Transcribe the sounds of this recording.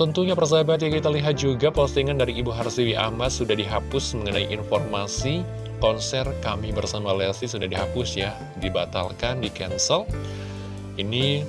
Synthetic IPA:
t̪ənt̪uɲapərs̬abat̪̬jakit̪aliɦat̪̚d͡ʒuɡapɔst̪iŋandaɾiːbuɦarsiwiʔa̰mat̪̚sudahdiɦapʊsməŋənaiʔinfɔrmasi | kɔnsɛrkamibərsamalɛlsisudahdiɦapʊsja | dibat̪a̰lkandikɛnsəl | ini

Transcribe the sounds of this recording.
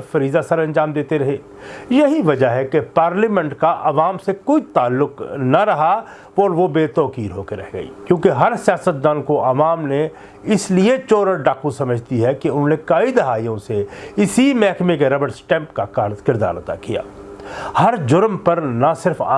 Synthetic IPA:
fɐɾiːzasɐɾɐ̃nd͡ʒaːmd̪eːt̪eɾɐɦeː | jɐɦiʋɐd͡ʒaɦɛkepaːɾliːmɛ̃ɳʈkaʔɐʋaːmsekoːit̪aːlːʊknaɾɐɦa | ɔːɾʋobeːt̪ɔːkiːɾɦoːkeɾɛ̰ɦɡɐ̰ḭːkjõːkeɦɐɾsijaːsət̪̚d̪aːnkoʔɐʋaːmne | ɪsliet͡ʃɔːɾəɾɖaːkusɐməd͡ʒʱt̪iɦɛkeʊnɦõːnekɐid̪ɪɦaːijõseɪsimɛːkmẽk̬eɾɐbəɽsʈɛ̃ːmpkakaːɾzkɪɾd̪a̰ːɾt̪a̰kija̰ː | hɐɾd͡ʒʊɾmpɐɾnasɪɾfa̰

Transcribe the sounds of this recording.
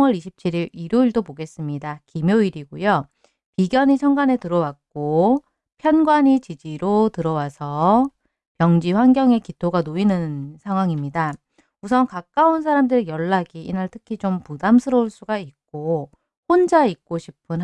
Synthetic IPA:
ʌɾiɕʰip̚t͡ɕʰiɾiɾiɾoiɭdopoɡe̞s͈ɯmɲidakimjoiɾiɡojo | piɡjʌɲit͡ɕʰʌŋɡane̞tɯɾʌwak̚k͈o | pʰjʌnɡwaɲit͡ɕid͡ʑiɾotɯɾʌwasʰʌ | pjʌŋd͡ʑiɸwanɡjʌŋe̞kitʰoɡanoinɯnsʰaŋɦwaŋimɲida | usʰʌnkak͈auns̬ʰaɾamdɯɾejʌɭːaɡiinaɭtʰɯkʰid͡ʑompudamsʰɯɾʌuɭs͈uɡaik̚k͈o | ɸond͡ʑaik̚k͈oɕʰipʰɯnɦ

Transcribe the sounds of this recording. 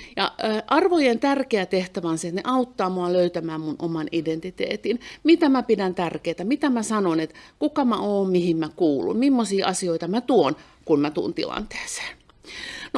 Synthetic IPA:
jɑːʔɑrʋojent̪ærkeæt̪eht̪æʋænset̪nḛʔɑut̪ːɑːmoɑløyt̪æmæːmmunʔomɑnident̪it̪ḛːt̪inmit̪æmæpidænt̪ærkeːt̪æmit̪æmæsɑnonet̪kukɑmæoːmmihimmækuːlṵmmimːosiːʔɑsioit̪ɑmæt̪uon | kunmæt̪ṵːnt̪ḭlɑ̰nt̪e̥ːse̥ː | no

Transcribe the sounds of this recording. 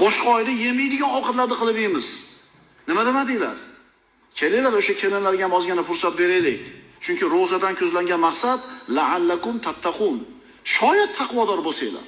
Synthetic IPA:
bɒʃqɒjlɪjemɪjd̪ɪɡʲanɒwqʰɑt̪laɾd̪ɪqʰɨlˠɪbemɪz | nɪmad̪ɪmad̪ejla̰ɾ | kʲʰelelaɾoʃakʲʰelɪnlaɾɡʲahamɒzɡʲanɪfʊɾsat̪̚be̞ɾelek̚ʲt͡ʃʰʊŋʲkʲɪɾozad̪ankʲʰɵzlaŋɡʲanmɑqsad̪laʕalːakʊmt̪ʰat̪ʰːaqun | ʃɒjad̪̚t̪ʰaqʰwɒd̪ɒɾbosajela̰ɾ

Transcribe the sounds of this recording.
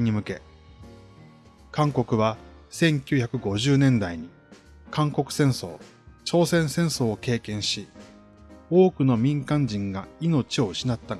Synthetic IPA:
ɲ̟imɯ̟ke̞ | kãŋko̞kɯ̟βasẽ̞ŋkʲɨ̟ːçakɯ̟ɡo̞ʑɨːnẽ̞nd̪aiɲ̟i | kãŋko̞kɯ̟̥sẽ̞ɰ̃so̞̰ː | t͡ɕo̞ːsẽ̞ɰ̃sẽ̞ɰ̃so̞ːke̞ːkẽ̞ɰ̃ɕi | o̞ːkɯ̟no̞mʲĩŋkãɲ̟d͡ʑĩŋɡaino̞t͡ɕio̞̟ɕinat̪ːa

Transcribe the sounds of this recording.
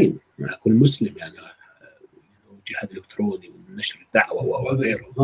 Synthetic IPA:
ajmma̰ʔakuːnmʊslɪmjaʕni | wd͡ʒɪhad̪ʔɪlɪkt̪ɾoːniwɪnːaʃɾɪd̪ːaʕwawʔawaɣeːɾʊ

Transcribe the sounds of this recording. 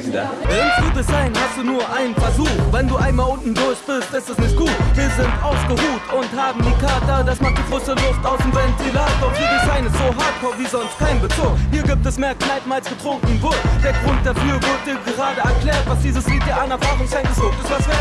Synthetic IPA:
ɪnsuːdəsz̥aɪnhastd̥uːnuːɐʔaɪnənfɛɐzuːχvɛnduːʔaɪnmaːlʔʊntn̩dʊɐçv̥ɪlstʔɪstɛsnɪçt̚ɡ̥uːtv̥iːɐzɪntʔaʊsɡ̥əhuːtʊnthaːbm̩diːkʰaɐtadasmand̥iːɡʁoːsəlʊstʔaʊsn̩zɛntz̥ilad̥ɔχhiːɐdizaɪnɪstz̥oːɦaɐt̚kʰɔːɐviːzɔnst̚kʰaɪnbəsohiːɐɡiːp̚tɛsmeːɐknaɪt̚maːlsɡ̥ətʁ̥ʊŋkŋ̩vʊɐtd̥eːɐɡʁʊnt̚d̥afyːɐvɪɐt̚d̥iːɐɡəʁaːdəɛɐkl̥ɛːɐtvasd̥iːzəsv̥iːdiːʔanɐfaːʁʊŋsaɪntɪso̥ɪsv̥asɛ

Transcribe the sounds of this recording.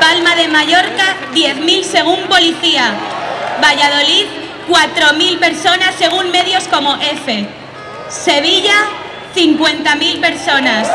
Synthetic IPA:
palmaðe̞maʝo̞ɾkaðje̞θmilse̞ɣ̞umpo̞liθia | βaʝað̞o̞lið | kwat̪ɾo̞milpe̞ɾso̞nasːe̞ɣ̞unme̞ðjosko̞mo̞ʔe̞fe̞ | se̞β̞iʝa | θiŋkwe̞nt̪amilpe̞ɾso̞nas

